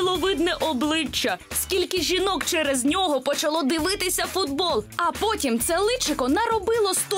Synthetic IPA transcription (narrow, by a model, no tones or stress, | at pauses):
lˠɔʋɪd̪nɛʔɔblˠɪt͡ʃːɐskʲilʲkɪʒʲinɔkt͡ʃɛɾɛznʲɔɦɔpɔt͡ʃɐlˠɔd̪ɪʋɪt̪ɪsʲɐfʊd̪bɔlˠɐpɔtʲimt̪sɛlˠɪt͡ʃɪkɔnɐɾɔbɪlˠɔst̪ɔ